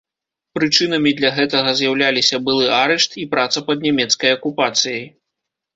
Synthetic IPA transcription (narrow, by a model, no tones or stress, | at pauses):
pɾɨt͡ʂɨn̪ɐmʲid̪lʲɐɣɛt̪ɐɣɐzʲjawlʲalʲisʲɐbɨlˠɨaɾɛʂt̪ipɾat̪sɐpɐd̪nʲɛmʲɛt̪skɐjɐkupat̪sɨjɐj